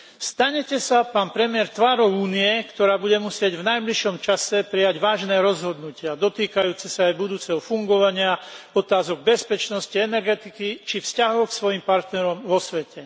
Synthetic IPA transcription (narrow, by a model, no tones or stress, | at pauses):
st̪aɲɛcɛsapaːnpɾɛmɪɛɾt̪ʋaːɾɔʊuːniɛkt̪ɔɾaːbuɟɛmusɪɛɟvnajbliʃɔmt͡ʃasɛpɾijaɟʋaːʒnɛːɾɔzɦɔd̪nucɪad̪ɔt̪iːkajuːt͡sɛsaːjbud̪uːt͡sɛɦɔfuŋɡɔʋaɲɪaɔt̪aːzɔɡ̚bɛspɛt͡ʃnɔsciɛnɛɾɡɛt̪ikit͡ʃifscaɦɔʊksʋɔjimpaɾt̪nɛɾɔmʋɔsʋɛcɛ